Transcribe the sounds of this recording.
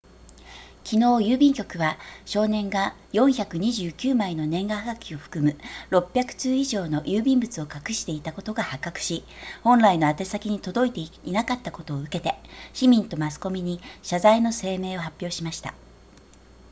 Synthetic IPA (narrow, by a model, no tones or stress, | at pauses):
kʲino̞ːjɯ̟ːbʲĩŋkʲo̞kɯ̟βaɕo̞ːnẽ̞ŋɡa | jõ̞ɰ̃çakɯ̟ɲ̟iʑɨːkʲɨːmaino̞nẽ̞ŋɡahakakʲio̞ɸɯ̟̥kɯ̟mɯ̟ɾo̞pʲːjakɯ̟̥t͡sɨːiʑo̞ːnoʔjʔɯːbʲĩmbɯ̟t͡sɨo̞kakɯ̟ɕi̥t̪e̞it̪ako̞t̪oɡahakːakɯ̟̥ɕihõ̞nɾaino̞at̪e̞sakʲiɲ̟it̪o̞d̪o̞it̪e̞iinakat̪ːako̞t̪o̞ːɯ̟ke̞t̪e̞ɕimʲĩnt̪o̞masɨ̥ko̞mʲiɲ̟iɕazaino̞se̞ːme̞ːo̞ɦapʲːjo̞ːɕimaɕi̥t̪a̰